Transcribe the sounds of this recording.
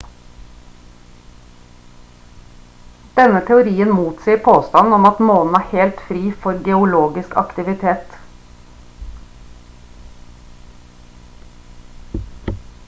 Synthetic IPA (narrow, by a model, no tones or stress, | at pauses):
d̪̥ɛnət̪ʰɛʊɾiːənmuːt̪siːəɾpʰoːst̪ɑnn̩ɔmɑt̪moːln̩æːheːlt̪fɾiːfɔɾɡɛʊloːɡɪskɑ̰kt̪ɪʋɪt̪ʰeːt̪